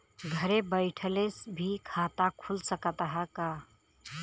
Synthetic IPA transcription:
ɡʱəɾebəɪʈʰəlesbʱikʰat̪akʰulsəkət̪əɦəka

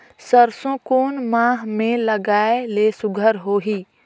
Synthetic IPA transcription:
səɾsõkoːnmãːɦmẽlɐɡaːeleːsʊɡʱəɾɦoːɦiː

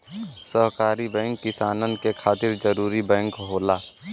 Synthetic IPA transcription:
səɦkaːɾibɛ̃ːŋkːɪsaːnənkekʰaːt̪ɪɾd͡ʒəɾuːɾibɛ̃ːŋkɦoːlaː

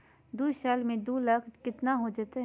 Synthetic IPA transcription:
d̪uːʃɛːlmẽd̪uːlɐk̪ʰkɪt̪naɦod͡ʒət̪eɦ

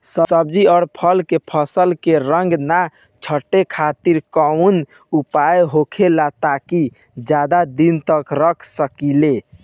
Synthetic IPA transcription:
səəb̚d͡ʒiɔʊɾpʰəlkepʰəsəlkeɾəŋɡna | t͡ʃʰəʈːekʰat̪iɾkən | upajɦokʰelat̪aki | d͡ʒad̪ad̪int̪əkɾəkʰsəkile

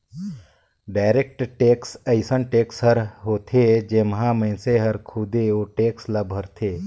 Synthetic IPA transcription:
ɖaːɪɾek̚ʈʈeːksəɪsənʈeːksɦəɾɦoːt̪ʰed͡ʒeːmɦãmə̃seɦɐɾkʰud̪eoːʈeːksləbʱəɾt̪ʰeː

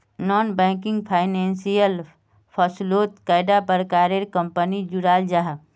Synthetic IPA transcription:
nɔːnbɛ̃ːŋkɪ̃ŋɡpʰaːɪnẽːnsijəl | pʰɔsloːt̪kaːɪɖapəɾkaːɾeɾkə̃mpənid͡ʒuɾaːld͡ʒaɦ

